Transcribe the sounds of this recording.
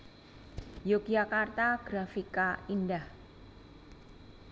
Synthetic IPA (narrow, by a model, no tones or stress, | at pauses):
joɡ̥d͡ʒakart̪aɡ̥ɾafikaindah